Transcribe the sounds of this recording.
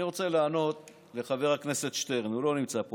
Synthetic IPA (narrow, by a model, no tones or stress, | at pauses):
iʁo̞t͡se̞laːno̞t̪ | le̞χave̞ʁhakne̞se̞t̪ʃt̪e̞ʁnulo̞nimt͡sap